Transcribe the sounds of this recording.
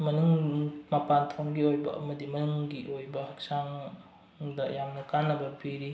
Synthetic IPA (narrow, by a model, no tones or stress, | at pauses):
mɐnuŋmɐpantʰoŋɡiojbɐ̰ɐ̰mɐdimɐnuŋɡiʔojbɐhɐk̚saŋ | dɐjamnɐkanːɐbɐbiɾi